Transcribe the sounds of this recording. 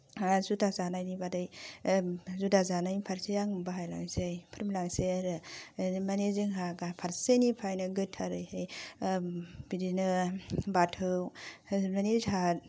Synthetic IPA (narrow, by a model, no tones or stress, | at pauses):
zudazanajnibadɯj | zudazanajpʰaɾsejaŋbaɦajla̰ŋsejpʰɾmlaŋseɾɯmaneziŋɦaɡapʰaɾsenipʰajnɯɡɯtʰaɾɯjhej | bidinɯbatʰɯwmanezɦat